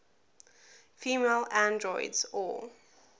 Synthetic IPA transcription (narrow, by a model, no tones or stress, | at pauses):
fiːmelãndɹɔɪdzɔ̰lˠ